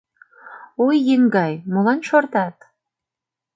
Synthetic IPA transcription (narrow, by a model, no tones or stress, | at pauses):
ojːɘŋɡɑjmolˠɑnʃort̪ɑt̪